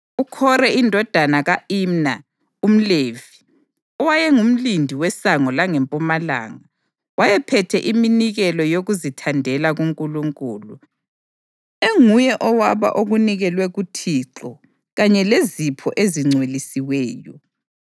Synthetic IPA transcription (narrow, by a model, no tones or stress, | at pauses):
ukʰɔrɛindʱɔd̥ʱanaɣaimna | um̩levi | ɔwajɛŋum̩lindʱiwɛsaŋɔlaŋɛmpʼumala̰ːŋa | wajɛpʰɛtʰɛʔiminiɣɛlɔjoɣuzitʰandʱɛlaɣuŋkʼuluŋkʼuːlu | eŋujɛʔɔwaβa̰ʔoɣuniɣɛlwɛɣutʰiǁɔ | ɣaɲɛlezipʰɔʔeziŋ͡ǀʱwelisiwɛːjɔ